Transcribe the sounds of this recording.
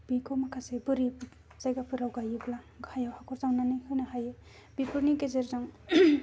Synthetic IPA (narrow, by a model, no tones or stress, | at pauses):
b̥ikʰowmakʰasebɯɾi | z̥ajɡapʰɯɾawɡajɯɡla | ɡʱajawhakʰɔɾzawnanɯjhɯnahaje | bipuɾnikezeɾzaŋ